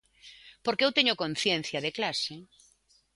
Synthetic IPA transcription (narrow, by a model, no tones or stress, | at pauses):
poɾkeewt̪eɲʊkõn̟θjen̟θjɐðeklase